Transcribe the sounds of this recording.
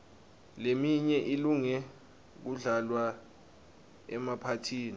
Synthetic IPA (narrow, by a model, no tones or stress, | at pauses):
lemiɲɛʔiluŋɛ | k̬uɮalwa | ɛmapʰatʰiːni